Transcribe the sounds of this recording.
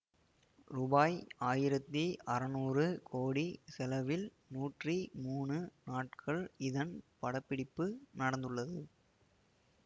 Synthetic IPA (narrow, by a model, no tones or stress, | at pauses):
rʊbaːjaːjɪɾɐt̪ːiʔɐɾɐnuːrɯkʰoːɽisɛlɐʋɪl | nuːʈrimuːɳɯnaːʈkʰɐɭɪðɐnpɐɽɐpːɪɽɪpːɯnɐɽɐnd̪ɯɭːɐðɯ